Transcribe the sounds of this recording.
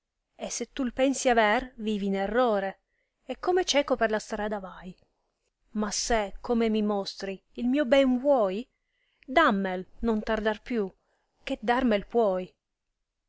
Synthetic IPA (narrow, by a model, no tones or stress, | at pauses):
esːet̪ːulpɛnsiavɛrviːvinerːɔːɾe | ɛkʰːomet͡ʃɛːkoperlast̪ɾaːd̪avaj | masːekʰːomemimɔst̪ɾiːlmiːobɛnvwɔːj | d̪amːelnont̪ard̪arpju | k̟ed̪armelpwɔːj